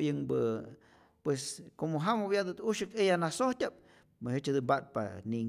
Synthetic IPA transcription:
jɨŋbɨ | pweskomoɦamabjad̪ɨt̪uʃɨkejanasoht̪ʲap̚ | mɨhet͡ʃhad̪umbat̪̚pa̰ni

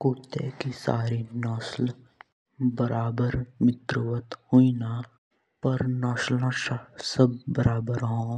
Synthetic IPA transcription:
kuːt̪ːḛkisa̰ːɾinɔːsl | bəɾaːbəɾmɪt̪ɾuʋət̪huina | pɐɾnɔːslãʃasəb̚ːəɾaːbəɾɦõː

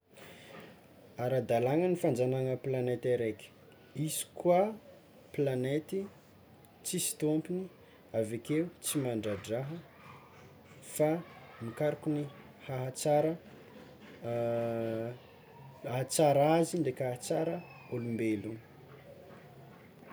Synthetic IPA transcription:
aɾad̪alaŋənifand͡zanaŋəplanet̪eɾeki̥ | isi̥kwa | planet̪i | t͡sisi̥t̪ompini | avekeut͡simaɳɖ͡ʐaɖ͡ʐaɦə | famikaɾukuni | haɦat͡saɾə | aɦat͡saɾaziɳɖ͡ʐekʲahat͡saɾə | olumbelu

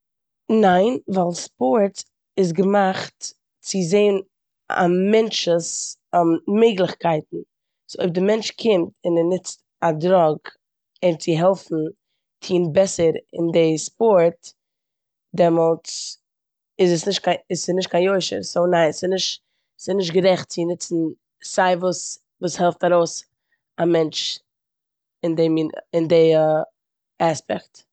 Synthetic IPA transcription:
naɪnvaɪlˠspɔɾt | ɪs̬ɡəmaχt | t͡sɪzeɪn | a̰mɛnt͡ʃəs | mɛɪɡlˠɪχkaɪt̚n̩ | soɪb̚dɪmɛnt͡ʃkʰɪmtɪnɛnɪt͡st | adɾɔɡ | ɪnt͡sɪɦɛlˠfn̩ | tʰiːnbɛsəɾɪ̰ndɪspɔɾt | dɛmɔlˠt͡s | ɪzəsnɪʃtkʰaɪsɪsnɪʃtkʰaɪnjoɪʃə̰ɾsoʊnaɪnsɪnɪʃt | sɪnɪʃ̬tɡəɾɛχtt͡sɪnɪt͡sn̩ | saɪvuːs | vuːshɛlˠftaɾoʊs | amɛnt͡ʃ | ɪndɛminɪndɪ | aspɛkt

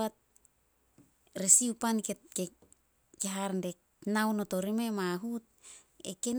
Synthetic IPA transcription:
at̚ | ɾesiupankeke | keɦaɾnde | nawnotoɾime̞maɦut̚ | ḛken

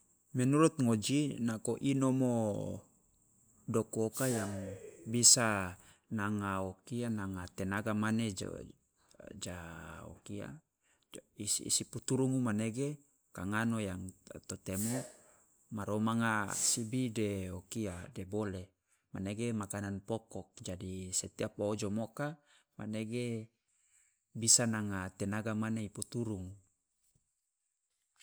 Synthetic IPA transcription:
mɛnuɾut̪̚ŋod͡ʒinakoʔinomo | dokokajaŋbisa | naŋaokianaŋat̪enaɡamaned͡ʒ̰ | d͡ʒao̰kia̰ | isːsiput̪uɾumumaneɡe | kaŋanojaŋt̪ot̪emu | maɾomaŋasibideokiadebole | maneɡemakananpɔkɔk̚d͡ʒadiset̪iapoːd͡ʒomoka | maneɡe | bisanaŋat̪enaɡamaneiput̪uɾuŋu

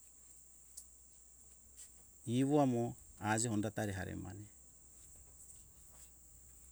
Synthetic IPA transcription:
iβɔamɔad͡ʒɛɦɔndat̪aɾɛɦaɾɛ̰ma̰nɛ

